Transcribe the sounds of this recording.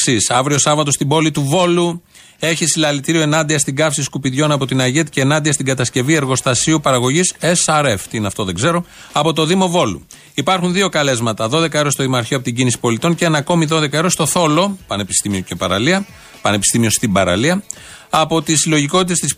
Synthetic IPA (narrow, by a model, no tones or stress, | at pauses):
sisɐvɾio̞sɐvɐt̪o̞st̪ibo̞lit̪uvo̞lu | e̞çisilɐlit̪iɾioe̞nɐnd̪iɐst̪iɡɐfsiskupiðʝo̞nɐpo̞t̪inɐʝet̪iceːnɐnd̪iɐst̪iŋɡɐt̪ɐsce̞vie̞ɾɣo̞st̪ɐsiupɐɾɐɣo̞ʝise̞sɐɾe̞ft̪iineɐft̪o̞ðeŋɡze̞ɾo̞ | ɐpo̞t̪o̞ðimo̞vo̞lṵ | ipɐɾxunðio̞kɐle̞zmɐt̪ɐðo̞ðe̞kɐeɾost̪oðimoɐɾçiopot̪iɟinisi̥po̞lit̪o̞nceenɐko̞miðo̞ðe̞kɐeɾo̞st̪o̞θo̞lo̞pɐnepist̪imiocepɐɾɐ̰liɐ | pɐne̞pi̥st̪imio̞st̪ibɐɾɐ̰liɐ | ɐpo̞t̪isilo̞ʝiko̞t̪it̪est̪is